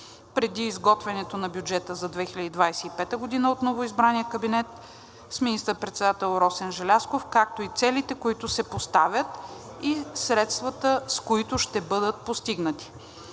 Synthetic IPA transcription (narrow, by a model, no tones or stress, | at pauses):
pɾɛd̪iːzɡɔt̪vɛnɛt̪onɐbjud͡ʒɛt̪əzɐd̪vɛxilʲəd̪iːd̪vajsɛipɛt̪əɡod̪inəot̪novoizbɾaniəkɐbinɛt̪ | sminist̪əɾpɾɛt̪sɛd̪at̪ɛlˠɾɔsɛnʒɛlʲaskofkak̚t̪oit̪sɛlit̪ɛkoit̪ʊsɛpost̪avʲət̪ | isɾɛt̪st̪vɐt̪əskoit̪ʊʃt̪ɛbɤd̪ət̪̚post̪iɡnət̪i̥